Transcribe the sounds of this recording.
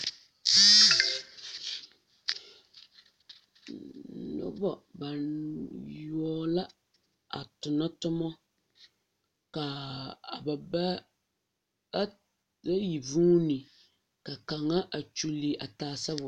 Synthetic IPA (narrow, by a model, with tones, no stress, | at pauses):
nʊ̰˦bɔ˨ba˨njɔ˦la˦ | a̰˨tʊ˨na˦tʊ˦mɔ˦ | ka˨ba˨b | a˦ji˨vuː˦ni˨ | ka˨ka˨ŋa˦ʔa˨t͡ʃu˦li˨ʔa˨taː˨sa˦bʊ˨